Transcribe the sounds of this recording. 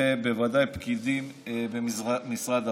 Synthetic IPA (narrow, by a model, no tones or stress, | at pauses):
ebevadajpkid̪im | bemisʁad̪a